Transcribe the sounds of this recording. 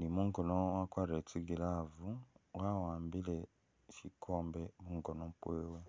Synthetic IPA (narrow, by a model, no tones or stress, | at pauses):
nimuŋɡonowakwaɾetiɡilavuwawaːmbile | ʃikʰoːmbemuŋɡonompweːwe